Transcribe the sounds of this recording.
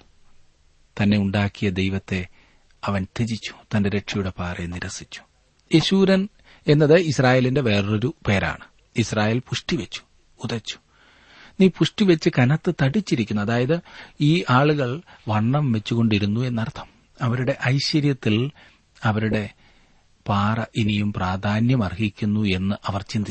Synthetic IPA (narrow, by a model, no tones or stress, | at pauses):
t̪ɐnːe̞uɳɖaːkːijɐd̪e̞jʋɐt̪ːe̞ | ɐʋɐnt̪id͡ʑit͡ɕːu̥t̪ɐnde̞ɾe̞ʈʂijuɽe̞paːreniɾɐsi̥t͡ɕːu̥ | e̞ɕuːɾɐn | e̞nːɐðɨisraːje̞ːlinde̞ʋe̞ːro̞ɾupe̞ːɾa̰ːɳɨ | israːjeːlpuʂʈiʋet͡ɕːu̥ː | ðɐt͡ɕːu̥ | niːpuʂʈiʋet͡ɕːɨkɐnɐt̪ːɨt̪ɐɽit͡ɕːiɾikʲːunːuɐðaːjɐðɨiːʔaːɭuɣɐɭʋɐɳːɐmʋe̞t͡ɕːuɣo̞ɳɖiɾunːue̞nːɐrt̪ʰːɐ̥m | ɐʋɐɾuɽe̞ʔɐjɕɐɾjɐt̪ːil | ɐʋɐɾuɽe̞ | paːrɐʔinijumpraːd̪ʱaːnjɐmɐrhikʲːunːue̞nːɨʔɐʋɐrt͡ɕind̪i